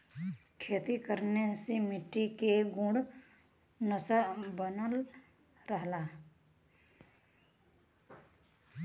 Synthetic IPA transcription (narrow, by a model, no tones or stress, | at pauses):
kʰeːt̪ikəɾnesemɪʈːikeɡʊ̃ɽ | nəsabənəl | ɾəɦlaː